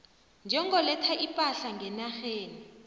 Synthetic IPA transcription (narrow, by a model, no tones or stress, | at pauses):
nd͡ʒʱɛŋɡʱɔlɛtʰaʔipʼaɬaŋɡʱɛnaxeːni